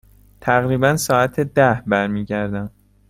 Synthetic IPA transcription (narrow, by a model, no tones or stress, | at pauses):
t̪ʰæɣɾiːbænsɒːæt̪ʰed̪æhbæɾmiːɟæɾd̪æm